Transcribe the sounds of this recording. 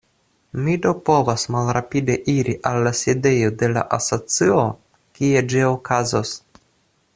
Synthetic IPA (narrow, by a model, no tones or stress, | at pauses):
mido̞po̞vasmalɾapide̞ʔiɾiʔalːaside̞jo̞de̞la̰ʔaso̞t͡sio̞ | kie̞d͡ʒio̞kazos